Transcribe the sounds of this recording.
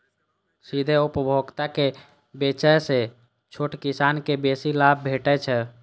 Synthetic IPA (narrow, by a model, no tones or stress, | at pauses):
sid̪ʱeupəbʱoɡt̪ake | bet͡ʃɛjse | t͡ʃʰoʈkisankebesilab̚ʱbʱeʈɛt͡ʃʰɛ